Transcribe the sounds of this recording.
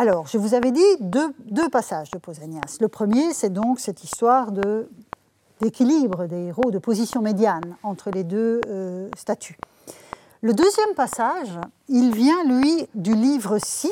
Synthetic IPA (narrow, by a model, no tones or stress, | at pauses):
alɔːʁʒəvuzavɛd̪id̪ød̪øpasaʒd̪əpozanjasləpχəmjesɛd̪ɔ̃ksɛt̪ist̪waʁd̪ə | d̪̥ekʲilibʁəd̪eeʁod̪əpozisjɔ̃med̪janɑ̃t̪χəled̪øøst̪at̪ʰy | ləd̪øzjɛmpasaʒ | ilvjɛ̃lɥid̪ylivʁəsi